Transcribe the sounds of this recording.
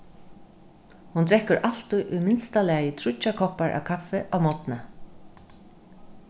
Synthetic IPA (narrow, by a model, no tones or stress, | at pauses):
hunt̪ɾɛhkːʏɾʔal̥t̪ʊjʔʊjmɪnst̪alɛajɪt̪ʰɾʊt͡ʃːakʰɔhpaɹʔa̰wkʰafɛʔawmɔt̪na